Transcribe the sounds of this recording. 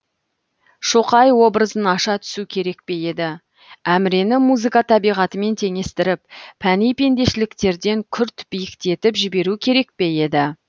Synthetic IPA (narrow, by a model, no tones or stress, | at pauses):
ʃoqɑjwo̞bɾəzənɑʃɑt̪ʰʏ̥sukʲʰe̞ɾe̞k̚pe̞je̞d̪ɪ | æmɪɾe̞nɪmuzɨkɑt̪ʰɑbijʁɑt̪əme̞nt̪ʰe̞ŋe̞st̪ɪɾɪp̚pʰːænijpe̞nd̪e̞ʃɪlɪkt̪e̞ɾd̪e̞ŋkʲʰʏɾt̪b̥ijɪkt̪e̞t̪ɪpʒɪbe̞ɾukʲʰe̞ɾe̞k̚pe̞je̞d̪ɪ